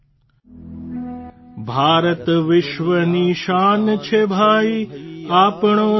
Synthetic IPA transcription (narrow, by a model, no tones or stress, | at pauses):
bʱaːɾət̪ʋɪʃʋəniʃaːnt͡ʃʰebʱaːiaːpɳo